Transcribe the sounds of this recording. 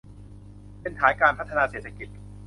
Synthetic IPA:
pe˧nt̪ʰaː˩˦nkaː˧npʰa˦˥t̪ʰːa˧naː˧seː˨˩t̪ʰa˩˧ki˨˩t̪̚

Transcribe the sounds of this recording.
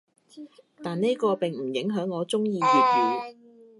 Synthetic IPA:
t̪aː˨nne˥jkɔː˧pɪ˨ŋm̩˨˩jɪ˨˥ŋɦœː˨˥ŋːɔː˨˧t͡sʊ˥ŋjiː˧jiː˨˩k̚jiː˨

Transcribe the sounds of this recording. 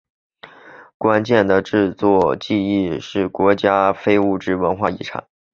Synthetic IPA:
kwa˥nt͡ɕjɛ˥˩nd̪ə˩ʈ͡ʂɻ̩˥˧t͡swɔ˥˧t͡ɕi˥˧i˥˧ʂɻ̩˥˩kwɔ˧˥t͡ɕja˥fe˥ɪu˥˩ʈ͡ʂɻ̩˥wə˧˥nxwa˥˧ḭ˥˩ʈ͡ʂʰɑ̰˨˩˦ŋ

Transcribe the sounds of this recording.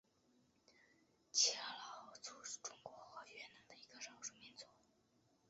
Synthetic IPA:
t͡ɕʰɛ˧˥˩lɑ˧˥ʊt͡su˥˩ʂ̩˨˩ʈ͡ʂʊ˥ŋkwɔ˧˥xə˧˥ɥɛ˧˩na˧˥ŋd̪ə˧i˧˥ɡə˧ʂɑ˥ʊʂu˧˥˩mi˧˥nt͡swɔ˥˦

